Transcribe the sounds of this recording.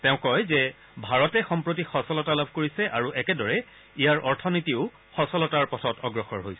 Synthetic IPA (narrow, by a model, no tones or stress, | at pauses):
tɛʊ̃kɔjzɛ | bʱaɹɔtɛxɔmpɹot̬ixɔsɔlɔtalabʱkoɹisɛʔaɹuʔɛkɛdɔɹɛ | ijaɹʔɔɹtʰɔnitiʊ | xɔsɔlɔtaɹpɔtʰɔtɔɡɹɔxɔɹɦojsɛ